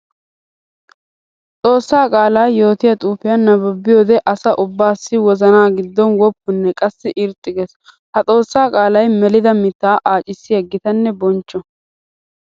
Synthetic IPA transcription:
t͡s̪ʼo̞ːsːaːkʼaːlɐjjo̞ːt̪ɪjɐt̪ʼuːfɪjɐnːɐbɔbːɪjoːd̪ɛʔɐsɐʔʊbːaːsːɪwɔzɐnaːɡɪd̪ːɔnwɔpːʊnːɛkʼɐsːɪʔɪɾt̪ʼːɪɡɛs | hɐt͡sʼo̞ːsːaːkʼaːlɐjmɛlɪd̪ɐmɪt̪ːaːʔaːt͡ʃʼɪsːɪjɐɡːɪt̪ɐnːɛbɔnt͡ʃːɔ

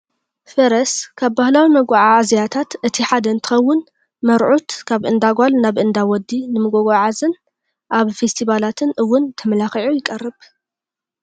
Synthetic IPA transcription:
fɐɾɐskʰaβbahlawimɐɡʷaʕaʕazijat̪ʰat̪ɨt̪ʰiħad̪ɐɨnt̪ʰɨ̥xɐwːʊn | mɐɾʕut̪kʰaβʔɨnd̪aɡʷalnaβʔɨnd̪awɔd̪ːinɨmɨɡoɡaʕazɨn | ʔaβfest̪ʰiβalat̪ʰɨnʔɨwːʊnt̪ʰɐmɐlaxiʕujɪkʼɐrːɨβ

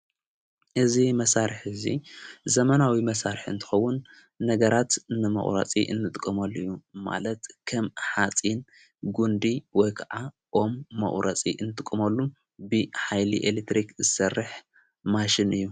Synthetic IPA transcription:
ʔɨzimɐsaɾɨħɨzḭzɐmɐnawimɐsaɾɨħɨ̰nt̪ʰɨ̥xɐwʊnː | ɐɡɐɾat̪nɨmɐ̰χʼɾɐ̰t͡sʼḭʔɨ̰nːɨt̪ʼɨkʼːɐmɐlːɨjːuma̰lɐt̪kʰɐmħat͡sʼin | ɡund̪iwɔjkʰaʕa | ʔo̞mːɐ̰χʼɾɐt͡sʼḭʔɨnːɨt̪ʼɨkʼːɨmɐlːu | bɨħajliʔelet̪ɾikzɨsɐrːɨħ | maʃɪnʔɨjːu

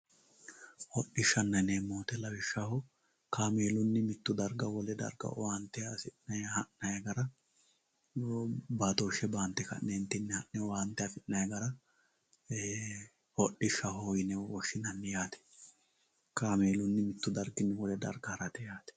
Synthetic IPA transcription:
hɔɗːɪʃːɐnːɐnemːoːt̪ɛlɐwɪʃːɐhɔ | kaːmeːlʊnːɪmɪt̪ːʊd̪ɐɾɡɐwɔlɛd̪ɐ̰ɾɡɐ̰want̪ːɛasɪnɐjhɐʔnɐjɐɡɐɾɐ | baːt̪oʃɛbaːnt̪ːɛkɐ̰ʔneːnt̪ɪnːɛhɐʔnɛwaːnt̪ɛɐfɪnɐjɐɡɐɾɐ | hɔɗɪʃːɐɦoːjɪnɛwɔʃːɪnɐnːɛjaːt̪ɛ̥ | kaːmeːlʊnːɪmɪt̪ːʊd̪ɐɾɡɪnːɛwɔlɛd̪ɐ̰ɾɡɐhɐɾɐt̪ɛjaːt̪ɛ̥

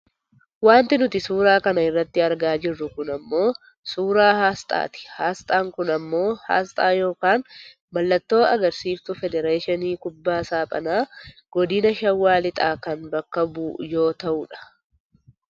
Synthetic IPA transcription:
waːnt̪ɪnʊt̪ɪsuːɾaːkɐnɐɪrːɐt̪ːɪɐɾɡaːd͡ʒɪrːʊkʊnɐmːo̞ː | suːɾaːhaːst̪ʼa̰ːt̪ɪ̥haːst̪ʼaːŋkʊnɐmːo̞ːha̰ːst̪ʼaːjo̞ːkaːn | mɐlːɐt̪ːo̞ːɐɡɐɾsiːft̪ʊfɛd̪ɛɾeːʃɪniːkʊbːaːsaːpʼɐ̰naːɡ̥ɔd̪ɪnɐʃɐwːaːlɪt̪ʼaːkɐnbɐkːɐbuːjo̞ːt̪ɐʔʊᶑɐ̥

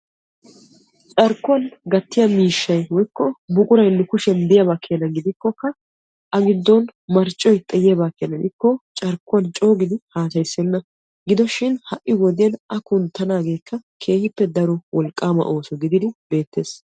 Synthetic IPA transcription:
t͡ʃʼɐɾkːʊɐnɡɐt̪ːɪjɐmiːʃːɐjwɔjkːɔbʊkʼʊɾɐjnːɛkʊʃɛnd̪ɛjɐbaːkʰːeɐnɐɡɪd̪ɪkːɔkːɐ | ʔɐɡɪd̪ːɔnmɐɾt͡ʃʼːɔjt̪ʼɛjeːbaːkːejɐnɐd̪ɪkːɔt͡ʃʼɐɾkːʊwɐnt͡ʃʼo̞ːɡɪd̪ɪhaːsɐjsːɛnːɐ | ɡɪd̪ɔʃɪnhɐʔːɪwɔd̪ɪjɐnɐkʊnt̪ːɐnaːɡe̞ːkːɐkʰe̞ːhɪpːɛd̪ɐɾɔwʔɔlkʼːaːmɐ̰ʔo̞ːsɔɡɪd̪ɪd̪ɪbe̞ːt̪ːe̞ːs

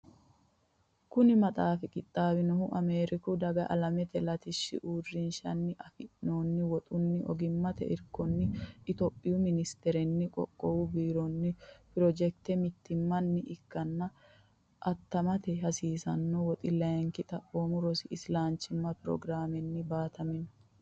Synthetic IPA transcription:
kʊnɪmɐt̪ʼaːfɪkʼɪt̪ʼːaːbɪnɔhʊʔɐmeːɾɪkʊd̪ɐɡɐʔɐ̰lɐmɛt̪ɛlɐt̪ɪʃːɪ̰ʔuːrːɪnʃɐnːɪʔɐfɪʔnoːnːɪwɔt̪ʼʊnːɪʔɔ̰ɡɪmːɐt̪ɛ̰ʔɪɾkːɔnːɪːt̪opʼːɪjʊmɪnɪst̪ɛɾɛnːɪkʼɔ̰kʼːɔwubiːɾɔnːɪpɪɾɔd͡ʒɛk̚t̪ɛmɪt̪ːɪmːɐnːɪʔɪkːɐnːɐ | ʔɐt̪ːɐmɐt̪ɛɦɐsiːsɐ̰nːɔwɔt̪ʼɪlɐjɛŋkɪt̪ʼɐʔoːmʊɾɔsɪɪslaːnt͡ʃːɪmːɐpɪɾɔ̰ɡɾaːmɛnːɪbaːt̪ɐmɪnɔ̥

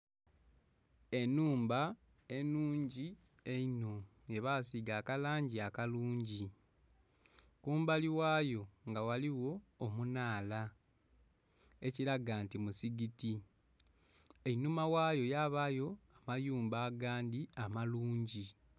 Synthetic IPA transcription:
e̞nuːmba | e̞nuːɲɟi | eino̞ | je̞βasiɡaːkalaːɲɟiakaluːɲɟi | kuːmbaliwaːjo̞ŋɡawaliwo̞ːmunaːla | e̞ciɾaɡaːntimusiɡiti | einumawaːjo̞jaβajo̞amajuːmbaːɡaːndiamaluːɲɟi

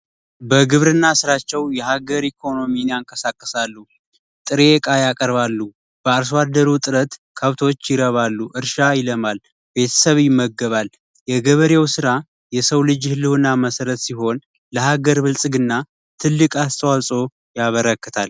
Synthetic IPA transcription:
bəɡɨβɾɨnːasɨɾat͡ʃːɛwjɛɦaɡəɾikʰo̞no̞minjaŋkʼəsakʼːəsalːu | t̪ʼɨɾekʼajakʼəɾβalːu | b̥əaɾs̬wad̪əɾut̪ʼɨɾət̪kʰəβt̪ʰo̞t͡ʃːjɪɾəβalːuʔɨɾʃajɪləmal | be̞t̪ʰə̥səβjɪmːəɡːəβal | jɛɡəβəɾewsɨɾa | jɛsəwlɨd͡ʒhɨlːɨwɨnːaməsəɾət̪siɦo̞n | ləhaɡəɾbɨlsʼɨɡɨnːa | t̪ʰɨlːɨkʼast̪ʼwasʼo̞ | jaβəɾəkːət̪ʰal

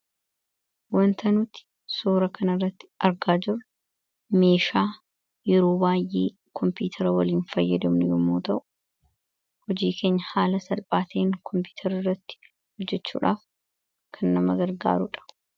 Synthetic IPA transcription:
wɐnt̪ʰɐnʊt̪ɪ̥ | suːɾɐkʰɐnɐrːɐt̪ːɪ̥ɐɾɡaːd͡ʒɪr | me̞ːʃaː | jɛɾoːbaːjʔḛː | kʰɔmpiːt̪ʰɐɾɐwɐliːnfɐjːɐd̪ɐmnʊjʊmːoːt̪ɐʔʊ̥ | hɔd͡ʒiːkʰe̞ːɲːɐhaːlɐsɐlpʼaːt̪eːŋkʰɔmpiːt̪ʰɐɾɪrːɐt̪ːɪ̥ | hɔd͡ʒːɛt͡ʃːṵːᶑaːf | kʰɐnːɐmɐɡɐɾɡa̰ːɾʊᶑɐ̥

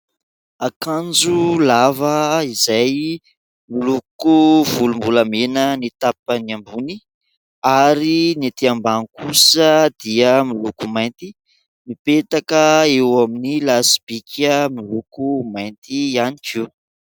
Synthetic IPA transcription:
akand͡ʒulavəizaj | milukuvulumbulamenənit̪ap̚əniambuni | aɾinet̪iambanikusəd̪̥iəmilukumajnt̪i | nipet̪akəewaminilasi̥b̥ikʰəmilukumajnt̪ianikiw

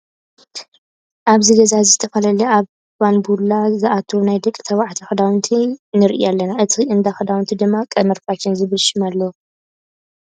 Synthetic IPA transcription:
ʔaβziɡɐzazɨt̪ʰɐfɐlɐliaβ | banbulːazɨʔat̪ʰunajd̪ɨkʼt̪ʰɐβaʕt̪ʰixɨd̪awnt̪ʰinɨɾiʔḭalːɐnaʔɨt̪ʰiɨnd̪axɨd̪awnt̪ʰid̪ɨmːakʼɐmɨɾfat͡ʃːɪnzɨβɨlʃɪmalːɐ

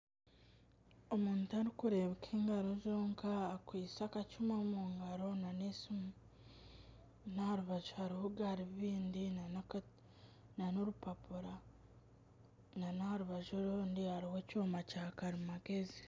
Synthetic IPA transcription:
o̞muːntuaɾikuɾe̞βekʰeːŋɡaɾo̞zoːŋkʰaːkwiːsakat͡ʃumamuːŋɡaɾo̞nanesimu | naaɾuβaʒhaɾihuɡaɾiββiːndina | nanoɾupapuɾa | nanaaɾuβaʒoɾoːndihaɾiwe̞coːmacakaɾimaɡe̞zi

